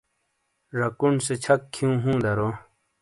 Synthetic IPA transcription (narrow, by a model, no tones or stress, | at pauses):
ɾɐkunset͡ɕʰɐkkʰːijũːɦũːd̪ɐɾo